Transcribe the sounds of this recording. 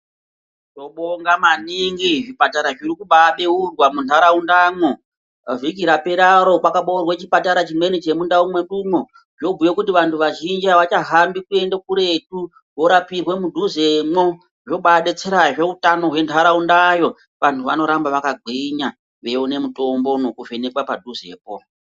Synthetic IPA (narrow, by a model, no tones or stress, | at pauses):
to̞ɓoŋɡamaniŋɡiʐipataɾaʐiɾikuɓaɓe̞urwamuntʰaɾaundamwo | ʐikiɾapeɾaɾo̞kwakaɓourwet͡ʃipataɾat͡ʃimwe̞nit͡ʃe̞mundaumweɗumo | ʐo̞bʱujekutiʋantʰuʋaʒind͡ʒiaʋat͡ʃaɦambikue̞ndakuɾe̞t̚u | wo̞ɾapirwe̞mudʱuze̞mwo | ʐo̞ɓaɗet͡seɾaʐe̞utano̞ɦwe̞ntʰaɾaundajo̞ | ʋantʰuʋa̰no̞ɾambaʋakaɡʱiɲa | ʋe̞une̞muto̞mbo̞no̞kuve̞ne̞kwapadʱuze̞̰ːpo̞